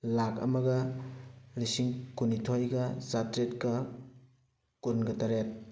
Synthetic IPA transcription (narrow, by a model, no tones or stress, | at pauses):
lakɐ̰mɐɡɐ | ɾisiŋkunitʰojɡɐzatɾetkɐ | kunɡɐtɐɾet̚